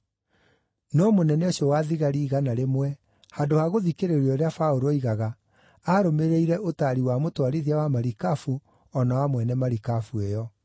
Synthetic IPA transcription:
nɔmonɛnɛoɕjɔwaðiɣaɾiːɣanaɾemwɛ | hadohaɣoðikeɾeɾiɔɾeafaoɾoiɣaɣa | aɾomeɾeiɾɛʔotaɾiwamotwaɾiðiawamaɾikafu | ɔnawamwɛnɛmaɾikafuejɔ

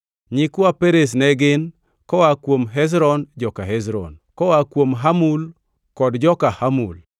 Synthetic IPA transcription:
ɲɪkwapeɾes̬nɛɡɪn | kɔwakwomɦɛs̬ɾɔnd͡ʒɔkaɦɛzɾɔ̰nkɔwakwomɦamul | kɔdd͡ʒɔkahamṵl

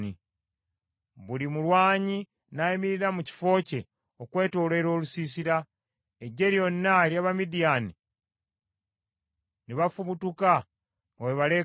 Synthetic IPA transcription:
ni | βulimulwaːɲi | najimiɾiɾamuci̥fo̞ːce̞ | okwe̞ːto̞ːle̞ɾo̞ːlusiːsiɾa | eɟːe̞ɾjo̞nːaljaβamidijaːni | niβafuβutuka | oweβale̞

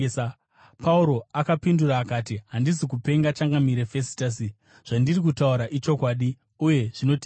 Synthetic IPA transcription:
pauɾo̞akapinduraːkaːtiɦandizikupe̞ŋɡat͡ʃaŋɡamiɾefe̞si̥tas̬i | ʐ̥andirik̬utauɾaʔit͡ʃo̞kwaːɗi | uje̞ʐ̥ino̞tː

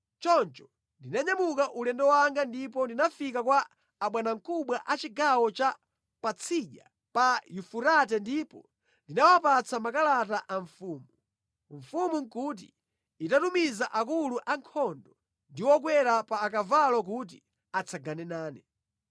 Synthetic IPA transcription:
t͡ʃɔnt͡ʃɔ̥ | ndinaɲamukaʔulɛndɔwaŋɡandipɔndinafik̬akwaː | ɓwanaŋkuɓwaʔat͡ʃiɡawɔt͡ʃa | pat͡sʰiʄa̰ | pajufuɾat̬ɛndipɔ | ndinawapat͡samakalat̬aʔaɱfuːmu | ɱ̩fumuŋkut̬ḭː | tatumizaʔakuluʔaŋkʰɔndɔ | ndiwɔk̬wɛɾapaːk̬avalɔk̬ut̬i | at͡sʰaɡanɛnaːnɛ

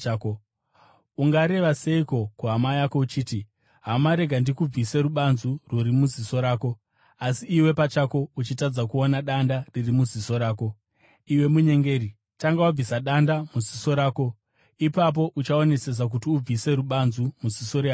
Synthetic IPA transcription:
uŋɡaɾe̞ʋase̞iko̞kuɦamajako̞ut͡ʃiːti | ɦamaɾe̞ɡʱandikub͡vise̞ɾuɓanzuruɾimuziso̞ɾaːko̞ | asiiwe̞pat͡ʃako̞ut͡ʃitad͡zakuonaɗandaririmuziso̞ɾaːko̞ | iwe̞muɲe̞ŋɡe̞ːɾi | taŋɡawab͡visaɗandamuziso̞ɾaːko̞ | ipap̬o̞ʔut͡ʃao̞ne̞se̞s̬ak̬utiub͡vise̞ɾuɓanzumuziso̞ɾeɦa

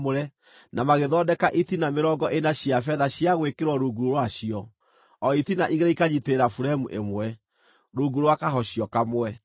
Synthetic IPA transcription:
oɾɛ | namaɣeðɔdɛkaʔitinameɾɔːŋɡɔʔenaɕjafɛðaɕiaɣwekeɾwɔɾuɡuɾoɾwaɕiɔ | ɔitinaʔiɣeɾaikaɲiteɾafuɾaemuʔemwɛ | ɾoɡuɾwakaɦɔɕiɔkamwɛ

